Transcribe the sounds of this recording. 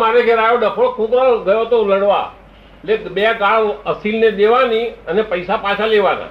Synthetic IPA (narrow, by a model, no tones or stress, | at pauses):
maɾeɡʱeɾajoɖəkʰokʰũk̪ɾaɡəjot̪oləɽʋa̰ | elebekaɭəsilned̪eʋaniənepəjsapat͡ʃʰaleʋanã̰